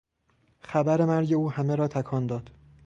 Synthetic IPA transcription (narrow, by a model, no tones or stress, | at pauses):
xæbæɾe̞mæɾɟe̞uːhæmeɾɒːt̪ʰækʰɒːnd̪ɒːd̪̥